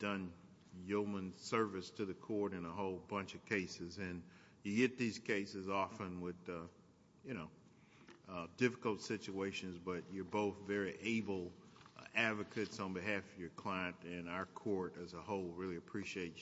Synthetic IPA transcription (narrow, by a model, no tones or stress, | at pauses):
d̥ʌ̃n | joʊmə̃nsɜ˞vɨstʰɨðɨkʰɔɹɾɨ̃nəɦoʊlˠbʌ̃nt͡ʃʌv̥kʰeɪsɨzɨ̃n | jɨɡɛt̪̚ðiz̥kʰeɪsɨzɔfə̃nwɪð | jɨñoʊ | dɪfəkl̩ˠtsɪt͡ʃueɪʃɨ̃nzbʌt͡ʃə˞boʊθvɛɹiʔeɪbl̩ˠ | ædvɨkʰɨtsn̩bɨɦæfʌvjə˞kʰl̥aɪɨ̃ntɨ̃naʊə˞kʰɔɹɾɨzəhoʊlˠɹɪlˠiɨpʰɹ̥iʃieɪt